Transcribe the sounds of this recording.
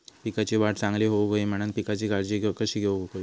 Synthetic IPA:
pikat͡ɕeʋaʈʰt͡sãŋɡleɦoʋkojem̤əɽ̃ənpikat͡ɕiːɡaɽd͡ʑiɡekəɕiːɡʱeʋɦokoj

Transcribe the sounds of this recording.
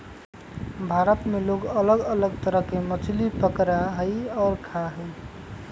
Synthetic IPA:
bʱaɾət̪meloɡələɡələɡ̚t̪əɾəɦkemət͡ʃʰlipəkɾaɦəjɔːɾkʰaɦəj

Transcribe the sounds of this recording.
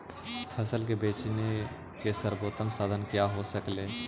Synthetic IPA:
pʰəsəlkebeːt͡ʃne | kesəɾboːt̪əmsaːd̪ʱənkjaɦosəkleː

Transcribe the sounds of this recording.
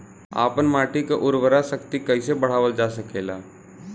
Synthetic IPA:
a̰ːpənmaːʈikeʔʊɾʋəɾasəkt̪ikəisebəɽ̤aːʋəld͡ʒaːsəkeːla̰ː

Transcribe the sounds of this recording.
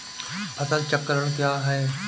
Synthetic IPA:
ɐsəlt͡ʃəkːəɾəɽ̃kjaːɦɛː

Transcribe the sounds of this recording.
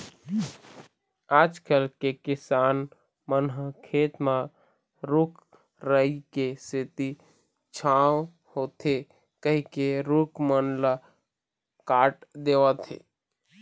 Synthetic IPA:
aːd͡ʒkəlkekɪsaːn | mənɦəkʰet̪mã | ɾuk | ɾəikeset̪i | t͡ʃʰaw | hoːt̪ʰe | kəɦikeɾukmənlə | kaːʈd̪eʋət̪ḛ

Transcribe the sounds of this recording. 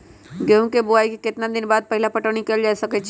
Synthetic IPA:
ɡeɦũkebʊaːikikɪt̪nad̪ɪnbaːd̪̚pɐɦɪlapɐʈəɽ̃ikeld͡ʒaːesɐkɛt͡ʃʰ

